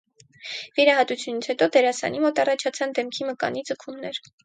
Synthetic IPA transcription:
viɾɑɦɑt̪ut͡sʰjunit͡sʰhɛt̪ɔd̪ɛɾɑsɑ̰nimɔt̪ɑrɑt͡ʃʰɑt͡sʰɑnd̪ɛmkʰiməkɑ̰nid͡zəkʰumnɛɾ

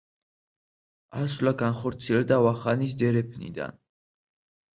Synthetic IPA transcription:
aslaɡanχɔɾt̪sʰiɛld̪avaχanis̬d̪ɛɾɛpʰnḭd̪a̰n

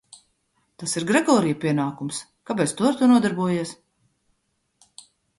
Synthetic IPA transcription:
t̪asiɾɡɾɛɡɔːɾijpʲiɛnaːkums | kapɛst̪uɔɾt̪unuɔd̪aɾbuɔjiɛs

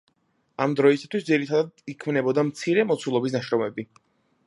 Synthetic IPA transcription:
amd̪ɾɔisat̪ʰwisd̪ziɾit̪ʰad̪ad̪ikʰmnɛbɔd̪amt̪sʰiɾɛmɔt̪sʰulˠɔbis̬naʃɾɔmɛbi

